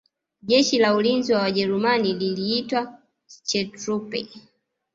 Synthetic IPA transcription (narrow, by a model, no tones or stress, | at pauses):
ʄɛʃilaulinziwawaʄɛɾumanililiːtwa | t͡ʃɛtɾupɛ̰